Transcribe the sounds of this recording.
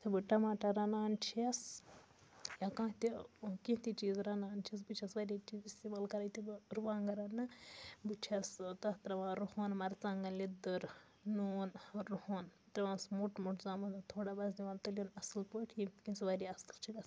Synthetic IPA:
t̪ʰibɨʈɐmaːʈaɾɐnaːnt͡ʃʰiɐs | jakãːt̪ikĩt̪it͡ʃiːzɾɐnaːnt͡ʃʰiɐs̬bɨt͡ʃʰɐsʋaːɾʲit͡ʃiːzist̪imaːlkɐɾaːjt̪ibɨɾuʋaːŋɡɐɾɐnːɨbɨt͡ʃʰɐst̪ɐt̪ɾɐʋãːɾuhoːnmɐɾt͡sɐŋɡɐlid̪ɨɾ | noːnɾuhoːn | t̪ɾɐʋãːnsmuʈmuʈʰzaːmɐd̪t̪ʰoːɽabɐzd̪iʋãːnt̪ɐlʲjonɐsɨlpoːʈʰjit̪kinsʋaɾʲjiɐslt͡ʃʰiɡɐs

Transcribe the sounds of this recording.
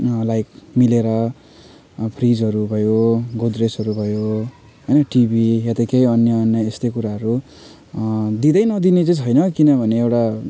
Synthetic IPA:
lajkmileɾʌ | pʰrid͡zʌɾubʱʌjoɡod̪resɦʌɾubʱʌjo | ɦʌjnʌʈibʱijat̪ʌkejʌnjʌːnjʌest̪ʌjkuɾaɦʌɾu | d̪id̪ʌjnʌd̪inet͡sʌt͡sʰʌjnʌkinʌbʱʌneewʈa

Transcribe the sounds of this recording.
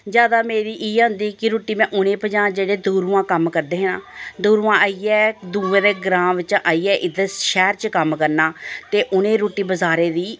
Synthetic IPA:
d͡ʒjaːd̪aːmeːɾiːʔiːʊnd̪iːkɪɾuːʈiːmɛ̃ːʔʊnẽːpəd͡ʒãːd͡ʒeːɽeːd̪uːɾuːãːkəmkəɾd̪eːɦnãːd̪uːɾuːãːaːiːɛːd̪uːʋẽːd̪eːɡɾãːmʋɪt͡ʃãʔaːiːɛːʔɪd̪əʃɛːɾt͡ʃkəmkəɾnaːt̪eːʔʊnẽːɾuːʈiːbəzaːɾeːd̪iː

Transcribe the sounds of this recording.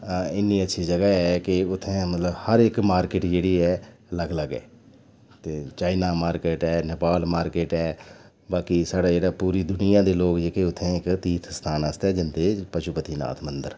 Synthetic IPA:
ɪnːiːətːʃʰiːd͡ʒəɡaːɛːkɪʊt̪ʰːẽːmət̪ləbhəɾɪkmaːɾkɪːʈd͡ʒeːɽiːɛːləɡləɡɛ̰ː | t̪eːt͡ʃaːɪnaːmaːɾkeːʈɛːnɪpaːlmaːɾkeːʈɛː | baːkisaːɽaːd͡ʒeːɽaːpuːɾiːd̪ʊnɪjãːd̪eːloːkd͡ʒeːkeʊt̪ʰːẽːɪkt̪iːt̪ʰst̪ʰaːnaːst̪ɛːd͡ʒɪnd̪eːpəʃʊpət̪iːna̰ːt̪ʰmənd̪əɾ

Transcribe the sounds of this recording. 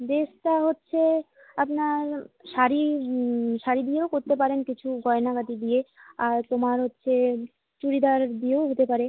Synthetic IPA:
d̪eʃʈaɦotːɕʰe | apnaɾʃaɾi | ʃaɾid̪ijeokoɾt̪ep̬aɾenkit͡ɕʰuɡɔenakat̪id̪ieaɾt̪omaɾɦotːɕʰe | t͡ɕuɾid̪aɾd̪ieoɦot̪epaɾe

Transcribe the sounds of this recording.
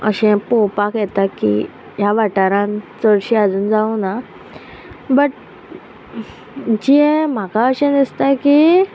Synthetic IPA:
ə̰ɕɛ̃powpakjɛt̪akḭ | jaʋaʈaɾãnt͡səɽɕiad͡zuːnd͡zaũna | bəʈ̚ | d͡ʑiɛ̃m̤akaəɕɛ̃nist̪aki

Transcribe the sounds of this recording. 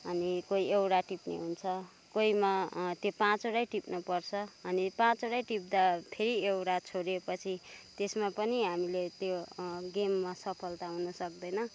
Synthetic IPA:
ʌnikoiewɽaʈipnḭɦunt͡sʰʌ | koimat̪jopãt͡soɽajʈipnʌpʌrt͡sʰʌʌnipãt͡soɽajʈip̚d̪apʰeɾiewɽat͡sʰoɽepʌt͡sʰit̪esmapʌniɦamilet̪joɡemːasʌpʰʌlt̪aɦunʌsʌk̚d̪ʌjnʌ

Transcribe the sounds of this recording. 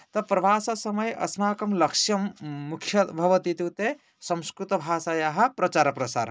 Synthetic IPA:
t̪ɐpɾɐʋaːsɐsɐmɐjʔɐ̰smaːkɐmlɐkʂjɐmːukʰjɐbʱɐʋɐt̪it̪ut̪e | sɐmskɾut̪ɐbʱaːsaːjaːɦɐ̆pɾɐt͡ʃaːɾɐpɾɐsa̰ːɾ

